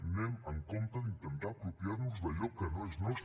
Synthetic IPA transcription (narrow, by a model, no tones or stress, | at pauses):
nemaŋkõnt̪aðint̪ent̪aapɾopjaɾnuzðaʎokːenoeznwes